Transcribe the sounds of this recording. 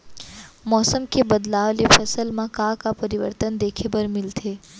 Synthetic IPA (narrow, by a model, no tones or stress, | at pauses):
mɔːsəmkebɐd̪laːʋlefɐsəlmãkaːkapɐɾɪʋə̰ɾt̪ənd̪eːkʰebɐɾmɪlt̪ʰeː